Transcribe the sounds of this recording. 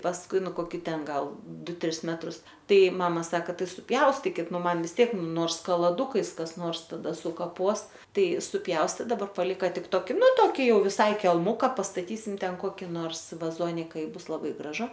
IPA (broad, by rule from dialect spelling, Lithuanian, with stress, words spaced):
pɐsˈkʊɪ ˈnʊ koːˈkʲɪ ˈtʲɛn ˈɡɐlˠ ˈdʊ ˈtʲrʲɪs ˈmʲæːtrʊs ˈtɐɪ ˈmɑːmɐ ˈsɑːkɐ ˈtɐɪ sʊˈpʲjɛʊsʲtʲɪkʲɪt ˈnʊ ˈmɐn ʋʲɪs ˈtʲiɛk ˈnoːrs kɐlˠɐˈdʊkɐɪs kɐs ˈnoːrs tɐˈdɐ sʊkɐˈpoːs ˈtɐɪ sʊˈpʲjɛʊsʲtʲeː dɐˈbɐr pɐˈlʲɪkɐ ˈtʲɪk ˈtoːkʲɪ ˈnʊ ˈtoːkʲɪ ˈjɛʊ ʋʲɪˈsɐɪ kʲɛlˠˈmʊkɐ pɐstɐˈtʲiːsʲɪm ˈtʲɛn ˈkoːkʲɪ noːrs ʋɐˈzoːnʲɪkɐ ɪ ˈbʊs lˠɐˈbɐɪ ɡrɐˈʒʊ